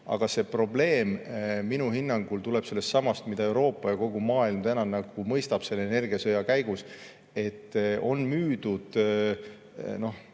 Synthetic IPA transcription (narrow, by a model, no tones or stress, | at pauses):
ɑ̰ɡ̥ɑse̞pro̞ble̞ːmminuhinːɑŋɡ̥ult̪ule̞b̥se̞lːest̪ːsɑmɑst̪mid̪ɑe̞wɾo̞ːpːˑɑjɑko̞ɡ̥umɑːilmt̪ænɑnɑɡ̥umɤjst̪ɑb̥se̞lːene̞rɡ̥iɑsɤjɑkæjɡ̥us | e̞t̪ːo̞nmyːd̪̥ud̪̥ | no̞h